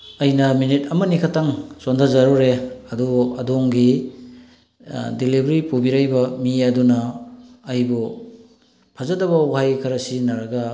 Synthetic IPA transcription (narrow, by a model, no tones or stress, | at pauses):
ɐjnɐminit̚ɐmɐnikʰataŋsondazaɾuɾeɐduɐdoŋɡi | dilibʱɐɾipubiɾajbɐmiɐdunɐː | jbu | pʰazadɐbɐwhajkʰɐɾɐsinaɾɐɡɐ